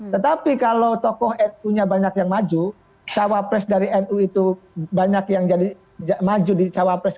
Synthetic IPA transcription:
t̪ət̪apikalowt̪ɔkɔhɛruɲabaɲakjaŋmad͡ʒu | t͡ʃawapɾɛsdaɾiɛnuit̪ubaɲakjaŋd͡ʒadi | d͡ʒamad͡ʒudit͡ʃawapɾɛs

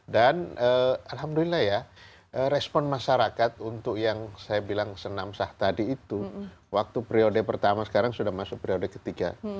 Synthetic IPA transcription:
danəalɦamdulilːahja | ʔəɾɛspɔnmaʃaɾakat̪̚unt̪ʊkjaŋsajabilaŋsənamsaht̪adiːt̪u | wak̚t̪upɾiodɛpərt̪amasə̥kaɾaŋsudahmasʊk̚pɾiodɛkə̥t̪iɡa̰

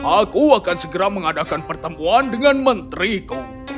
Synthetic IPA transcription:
ʔakuakansəɡəɾaməŋadakanpərt̪əmuandəŋanmənt̪ɾiku

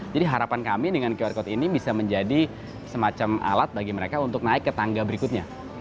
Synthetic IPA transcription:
d͡ʒadiɦaɾapankamidəŋankiarkɔt̪inibisaməɲd͡ʒadi | səmat͡ʃama̰lat̪̚baɡiməɾekaunt̪ʊk̚naɪkːət̪aŋɡabəɾikʊt̪̚ɲa

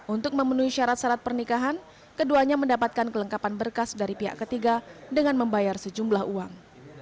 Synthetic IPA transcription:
ʔunt̪ʊk̚məmənuiʃaɾat̪̚saɾat̪̚pərnikaɦan | kəduaɲaməndapat̪̚kankələŋkapanbərkasdaɾipiɦa̰ʔkət̪iɡadəŋanməmbajarsəd͡ʒumblahuaŋ

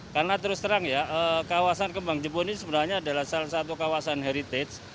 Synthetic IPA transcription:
karənat̪əɾʊst̪əɾaŋjaʔəːkawasankəmbaŋd͡ʒəbonisəbənarɲaːdalahsalasat̪ukawasanɦeɾit̪ɛt̪s

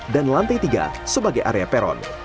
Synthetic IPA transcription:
danlant̪ajt̪iɡa̰ | səbaɡajʔa̰ɾeapɛɾɔ̰n

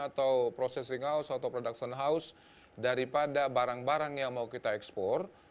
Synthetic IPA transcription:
at̪awpɾosɛsɪŋɦaʊsat̪awpɾodak̚sənɦaʊs | daɾipadabaɾaŋbaɾaŋjaŋmaukit̪aɛkspɔr

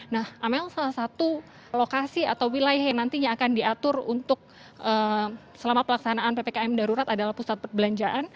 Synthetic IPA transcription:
nahʔamɛlsalahsat̪u | lokasiat̪awwilajahjaŋnant̪iɲaːkandiat̪ʊrunt̪ʊk̚ | ʔə | səlamapəlaksanaːnpepekaɛmdaɾuɾat̪adalahpusat̪̚pərbəlaɲd͡ʒaʔan

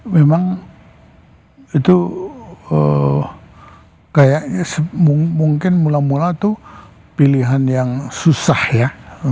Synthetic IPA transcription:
memaŋ | it̪u | ə | kajaʔsəmumuŋkɪnmulamulat̪u | piliɦanjaŋsusahja

